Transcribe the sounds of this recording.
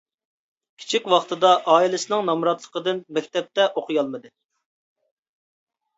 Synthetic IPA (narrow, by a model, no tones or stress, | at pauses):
kʲʰi̥t͡ʃʰikʲwɑχt̪ɨd̪ɑʔɑːilɪsɨnɪŋnɑmɾɑt̪lˠə̥qəd̪ɨnmɛkʲt̪ɛp̚t̪ɛʔoqʰɨjɑlˠmɨd̪ɨ